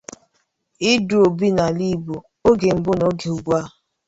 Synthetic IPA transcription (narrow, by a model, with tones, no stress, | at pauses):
i˦du˨o˨bi˦na˨li˦bo˨ | o˦ɡe˨m̩˨bʊ˦no˦ɡe˨u˨ɡʷa˦